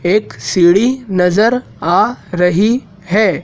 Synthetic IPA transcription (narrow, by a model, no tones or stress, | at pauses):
eːksiːɽinɐzəɾ | aːɾɐɦi | hɛː